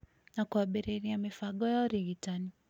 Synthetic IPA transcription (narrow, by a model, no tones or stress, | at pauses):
nakuaɓiɾiɾiamifaɡɔjaɾiɡitani